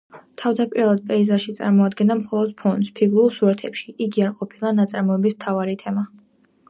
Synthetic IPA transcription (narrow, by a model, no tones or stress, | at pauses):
t̪ʰavd̪apʼiɾalˠad̪̚pʼɛizaʃit̪sʼa̰ɾmɔad̪ɡɛnd̪amχɔlˠɔd̪̚pʰɔnd̪spʰiɡɾulˠsuɾat̪ʰɛpʃi̥ʔiɡiaɾqʼɔpʰilˠanat̪sʼaɾmɔɛbismt̪ʰavaɾit̪ʰɛma